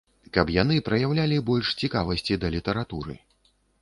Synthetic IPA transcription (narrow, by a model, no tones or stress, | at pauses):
kɐpjan̪ɨpɾɐjawlʲalʲibɔlʲʂt͡sʲikavɐsʲt͡sʲid̪ɐlʲit̪ɐɾat̪uɾɨ̰